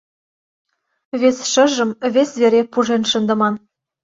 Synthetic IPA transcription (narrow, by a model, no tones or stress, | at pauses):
βesʲʃɤ̆ʒɤ̆mβʲesʲβʲeɾʲepuʒenʃɤ̆nd̪ɤ̆mɑn